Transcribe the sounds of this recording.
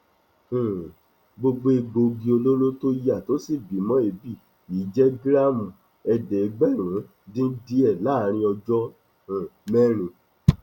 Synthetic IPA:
hũ˨ | ɡ͡bo˧ɡ͡bo˧e˧ɡ͡bo˧ɡi˧o˧lo˦lo˦to˦i˦a˦˨to˨˦si˦˨bi˨˦mɔ̃˦e˨˦bi˦˨ | i˨˦d͡ʒɛ˦ɡɾa˦mũ˨ | ɛ˧dɛ˨˧ɡ͡bɛ˦˨ɾ̃ã˨˦ | dĩ˦di˦ɛ˦˨laː˦˨˦ɾ̃ĩ˧˦ɔ˧d͡ʒɔ˦ | ã˨mɛ˦ɾ̃ĩ˧˨

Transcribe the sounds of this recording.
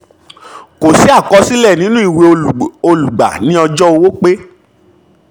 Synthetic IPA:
ko˨si˨˦a˦˨kɔ˧si˦lɛ˦˨nĩ˦nũ˦i˨we˧o˧lu˨ɡ͡ba̰˨nĩ˦ɔ˧d͡ʒɔ˦o˧wo˦k͡pe˦

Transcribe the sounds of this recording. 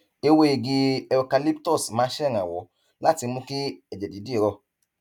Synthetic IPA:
e˧we˧˦e˨˧ɡi˧ɛ˧o˧ka˧li˦ptɔ˦˨smãː˨˦ʃɛ˦˨ɾ̃ã˨wɔ˨˦ | la˦˨ti˧mũ˧˦ki˦ɛ˦˨d͡ʒɛ˨di˨˦di˦e˦˨˧ɾɔ˦˨

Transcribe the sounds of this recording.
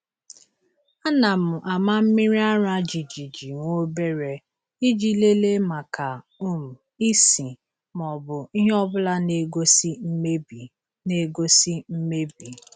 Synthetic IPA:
a˦na˨mʊ˨ʔa˨ma˦m̩˦mi˦ɾi˦a˦ɾa˦d͡ʒi˨d͡ʒi˨d͡ʒi˨ŋʷo˦be˦ɾe˨ | i˦d͡ʒi˦le˦le˦ma˨ka˨ | u˦m̩˨ | i˦si˨ | m˨ɔ˨bʊ˨i˦ɦe˦ɔ˦bʊ˦la˦ne˦ɡo˦si˦me˦b | ne˦ɡo˦si˦m̩˦me˦bi˨

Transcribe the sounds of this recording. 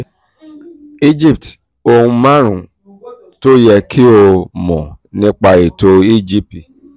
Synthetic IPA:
i˦d͡ʒi˦˨pt | o˧hũ˧mã˦ɾṵ̃˨ | to˦jɛ˧kʰi˦o˧mɔ̰̃˨nĩ˦k͡pa˧i˨to˧i˦˨d͡ʒi˦p̚i˨

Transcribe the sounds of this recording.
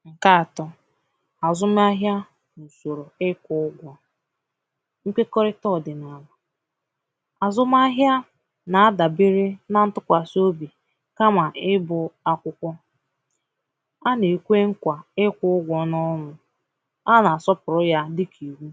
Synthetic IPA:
ŋ̩˨ka˦a˨tɔ˦ | a˨zʊ˦m˦a˦ɦja˦ | nu˨so˨ɾo˨ɪ˦kʷʊ˦ʊ˦ɡʷɔ˨ | ŋ̩˦kʷe˦ko˦ɾɪ˦tɔ˦˨dɪ˨na˨la˨ | a˨zʊ˦m˦a˦ɦja˦ | na˨a˦da˨bi˦ɾe˦na˦n̩˦tʊ˦kʷa˨so˦bi˨ | ka˦ma˨ɪ˦bʊ˨a˦kʷʊ˦kʷɔ˦ | a˦ne˨kʷe˦ŋ̩˦kʷa˨ɪ˦kʷʊ˦ʊ˦ɡʷɔ˨nɔ˦nʊ˨ | a˦na˨a˨sɔ˦pʊ˨ɾʊ˦ja˦dɪ˦kʰi˨wu˦

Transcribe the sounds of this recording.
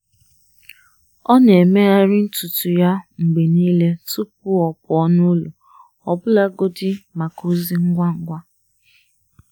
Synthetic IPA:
ɔ˦ne˨me˦a˦ɾɪ˦n̩˦tu˨tu˨ja˦ŋ͡m̩˨ɡ͡be˨niː˦le˦tu˦p̚ʊ˦ɔ˨pʊ˨ɔ˦nu˦lu˨ | ɔ˨bʊ˦la˦ɡo˦dɪ˦ma˨ku˦zi˦ŋ̩˦ɡʷa˦ŋ̩˨ɡʷa˦

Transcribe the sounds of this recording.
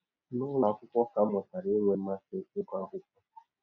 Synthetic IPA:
nʊ˦la˨kʷʊ˦kʷɔ˦ka˦mɔ˨ta˨ɾi˦ŋʷe˦ma˦sɪ˦ɪ˦ka˦ɦʊ˦kɔ˦˨

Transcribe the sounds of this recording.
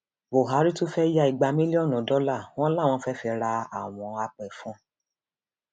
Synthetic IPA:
bo˨ɦa˨˦ɾi˦to˦fɛ˦ja˧i˨ɡ͡ba˧mĩ˦li˦ɔ˦˨nũ˨˦dɔ˦la˦˨w̃ɔ̃˦la˦˨w̃ɔ̃˧˦fɛ˦fi˧ɾa˧a˨w̃ɔ̃˧a˧k͡pɛ˨fũ˨˦

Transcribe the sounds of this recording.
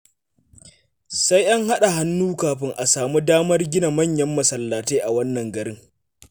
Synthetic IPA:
sa˦jʔa˦ŋɦa˦ɗa˨ɦa˦nːuː˦kaː˨ɸɪ˦ŋʔa˨saː˨mu˦daː˦mɐ˦rɡʲɪ˦na˨mɐ˦˨ɲjɐ˦mːɐ˨sɐ˨lːaː˨teː˦ʔa˨wɐ˦nːɐ˨ŋɡɐ˨ɾɪ˦ŋ

